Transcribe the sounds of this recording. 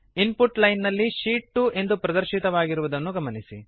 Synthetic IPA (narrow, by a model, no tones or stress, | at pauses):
inpuʈlɐjnːɐlːiʃiːʈːuʔe̞nd̪upɾɐd̪ɐɾʃit̪ɐʋaːɡiɾuʋud̪ɐnːuɡɐmɐnisi